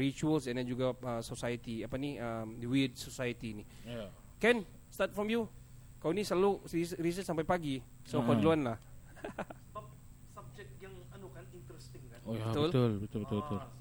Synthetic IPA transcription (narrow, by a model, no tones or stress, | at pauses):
ɾit͡ʃuəlsɛ̃ndɛ̃nd͡ʒuɡaəsosajət̪iapaniəmdəwid̚sosajət̪ini | kɛn | st̪at̪̚fɾɔmju | kawnisəlaluisɾis̬əsampajpaɡi | sopədluanlah | səbap̚ | sab̚d͡ʒɛk̚t̚jaŋanukanint̪ɾɛst̪ɪŋkanojbaət̪ʊlt̪ʊlbət̪lbit̪ubət̪ʊl